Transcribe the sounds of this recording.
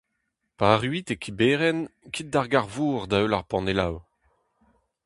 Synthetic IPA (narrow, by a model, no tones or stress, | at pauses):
paʁyit̪ekʰibeːʁɛnkʰit̪̚daʁɡaʁvuːʁd̪aølaʁpɑ̃nela̰w